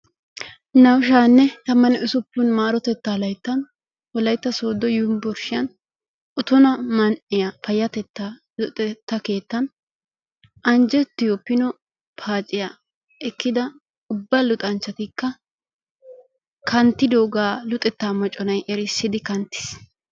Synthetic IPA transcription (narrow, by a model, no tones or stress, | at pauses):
nɐwʃaːnːɛt̪ɐmːɐnɛʔʊsʊpːʊnmaːɾɔt̪ɛt̪ːaːlɐjt̪ːɐn | wɔlɐjt̪ːɐso̞ːd̪ɔjʊmbɔɾʃɪjɐn | ʔʊt̪ʊnɐmɐnʔɪjɐpɐjɐt̪ɛt̪ːa | ʊt̪ʼɛt̪ːɐke̞ːt̪ːɐn | ʔɐnd͡ʒɛt̪ːɪjopːɪnɔ | pʰaːt͡ʃʼːɪja | ʔɛkːɪd̪ɐ | ʊbːɐlʊt̪ʼɐnt͡ʃːɐt̪ɪkːɐ | kʰɐnt̪ːɪd̪oːɡaːlʊt̪ʼɛt̪ːaːmɔt͡ʃʼːɔnɐjʔɛɾɪsːɪd̪ɪkɐnt̪ːɪ̥s